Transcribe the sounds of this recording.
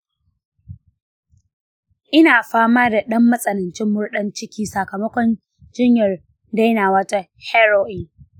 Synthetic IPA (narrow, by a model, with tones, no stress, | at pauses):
ʔɪ˦naː˨ɸaː˦maː˦da˨ɗɐ˦mːɐ˦sʼɐ˨nɪ˨nt͡ʃɪ˦mːʊ˦rɗɐ˦nt͡ʃɪ˦kʲiː˦sa˨kɐ˨mɐ˦kʷɔ˦n | d͡ʒɪ˦ɲjɐ˨r | da˦jnaː˨wɐ˦ta˦ | hɛ˦ɾoː˦ʔɪ˨ŋ